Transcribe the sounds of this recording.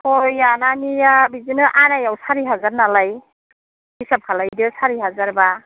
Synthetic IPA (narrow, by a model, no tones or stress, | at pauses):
hojananijabizinɯʔanajawsaɾiɦazaɾnalaj | bisap̚kʰalajdɯsaɾiɦazaɾba